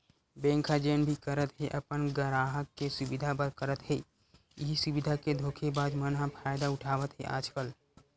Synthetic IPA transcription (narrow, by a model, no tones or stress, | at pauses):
bɛ̃ːŋkʰad͡ʒeːnbʱikəɾət̪ɦɛʔəpənɡəɾaːɦəkːesʊbɪd̪ʱabəd̪kəɾət̪ɦɛː | ɪɦisʊbɪd̪ʱaked̪ʱoːkʰebaːd͡ʒ̪mənɦãpʰaːjd̪aʊʈʰaːʋət̪ɦɛ̰ʔa̰ːd͡ʒkəl